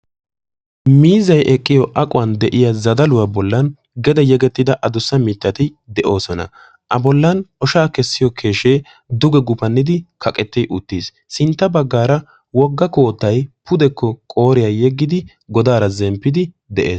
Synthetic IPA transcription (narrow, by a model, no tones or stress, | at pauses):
miːzɐjʔɛkʼːɪjɔʔɐkʼʊwɐnd̪ɛʔɪjɐzɐd̪ɐlʊwabɔlːɐn | ɡɛd̪ɛjɛɡɛt̪ːɪd̪ɐʔɐd̪ʊsːɐmɪt̪ːɐt̪ɪd̪ɛʔo̞ːsɔnɐ̰ | ʔɐbɔlːɐnʔɔʃaːkɛsːɪjɔkʰe̞ːʃe̞ː | d̪ʊɡɛɡʊpɐnːɪd̪ɪkʰɐkʼɛt̪ːɛʔʊt̪ːis | sɪnt̪ːɐbɐɡːaːɾɐ | wɔɡːɐko̞ːt̪ːɐjpʊd̪ɛkːɔkʼo̞ːɾɪjajɛɡːɪd̪ɪ | ɡɔd̪aːɾɐzɛmpːɪd̪ɪ | d̪ɛʔe̞ːs